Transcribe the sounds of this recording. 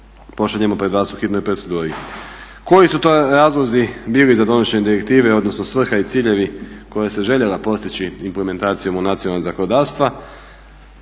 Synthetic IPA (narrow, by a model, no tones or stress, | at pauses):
po̞ʃaʎe̞mo̞pɾeʋaːsuxit̪nojpɾosed̪uːɾi | ko̞jisut̪oɾaːzlˠozibiːlizad̪o̞noɕeɲed̪iɾe̞kt̪iːʋe̞o̞d̪no̞sno̞sʋr̩xait̪siːʎe̞ʋiko̞jase̞ʒe̞ʎelapo̞st̪it͡ɕiimpleme̞nt̪aːt̪sijo̞munat̪ionaozakonod̪aːɾst̪ʋa